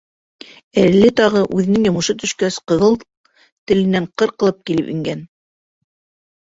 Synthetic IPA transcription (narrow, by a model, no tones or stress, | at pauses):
ælːɘt̪ɑʁɤʔʉðɘ̆nɘŋjŏmɤ̆ʃɤt̪ɵ̆ʃkæsqɤ̆ðɤlˠ | t̪ɘ̆lɘ̆næɴqɤ̆ɾqɤ̆lˠɤp̚kilɘpḭŋɡæn